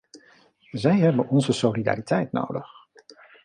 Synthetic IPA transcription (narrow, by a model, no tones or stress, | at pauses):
zɛjɦɛbənɔnzəsolida̰ːritɛjtno̰wdəχ